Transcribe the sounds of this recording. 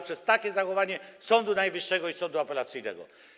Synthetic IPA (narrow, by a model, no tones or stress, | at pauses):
pʂɛst̪akʲɛzaxɔvaɲɛsɔnd̪unajvɘʂːɛɡɔisɔnd̪uapɛlat̪sɘjnɛ̰ɡɔ̰